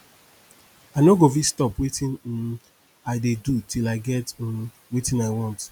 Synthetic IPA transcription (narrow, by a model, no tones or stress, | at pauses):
anoɡofistɔpwetĩn̩ | aɪdedutʰilaɪɡɛt̩ | wetĩnaɪwɔ̃nt